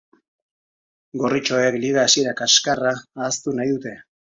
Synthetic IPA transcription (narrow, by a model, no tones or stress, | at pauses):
ɡo̞rit͡ʃo̞ekliɣaːsieɾakaskaraːst̪unajðut̪e̞